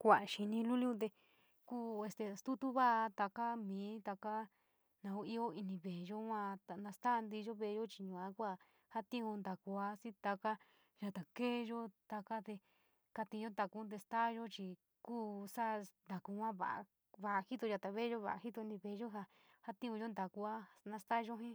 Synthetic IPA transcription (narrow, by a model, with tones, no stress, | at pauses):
kʷa˨a˨ʃi˧nĩ˧lu˦lĩ˦ũ˧t̪̬e˧ | kuː˦e˧st̪e˧st̪u˦t̪u˦βa˦ʔa˧t̪a˧ka˦mĩː˨˦t̪a˧ka˦ | nã˧u˧i˦˧o˦i˧nĩ˧βe˨˧ʒo˦hʷã˧t̪a˨nã˧st̪a˦˧nd̪i˧ʒo˦βe˧ʒo˦t͡ʃi˧ɲũ˨ã˦kʷa˦˨ | ha˦t̪ĩ˦ũ˧nd̪a˨ku˧a˧˦si˦t̪a˧ka˦ | ʒa˧t̪a˨ke˦˧ʒo˦t̪a˧ka˦t̪e˧ | ka˧t̪ĩ˧ʒõ˦t̪d̪a˧ku˦t̪̬e˧st̪a˦˧ʒo˦t͡ʃi˧ | kuː˦sa˦nd̪a˨ku˧hʷã˦βa̰˨a̰˧˨ | βa˧ʔa˧hi˦t̪o˧ʒa˧t̪a˨βe˦ʒo˦βa˨ʔa˨hi˦t̪o˧i˧nĩ˧βe˨˧ʒo˦ɦa˧ | ha˦t̪ĩ˦ũ˧ʒo˦nd̪a˨ku˧a˦nã˧st̪a˦˧ʒo˦ɦĩ˦